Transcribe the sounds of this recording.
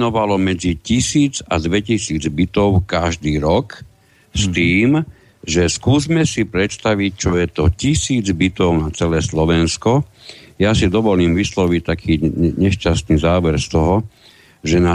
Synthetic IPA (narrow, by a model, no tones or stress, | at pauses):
nɔʋalɔmɛd͡zicisiːd͡zad̪ʋɛcisiːd͡zbit̪ɔʊkaʒd̪iːɾɔk | st̪iːm | ʒɛskuːzmɛsipɾɛt̪st̪aʋic̚t͡ʃɔjɛt̪ɔcisiːd͡zbit̪ɔʊnat͡sɛlɛːslɔʋɛnskɔ | jasid̪ɔʋɔliːmʋislɔʋic̚t̪akʰiːɲɛʃcast̪niːzaːʋɛɾst̪ɔɦɔ | ʒɛna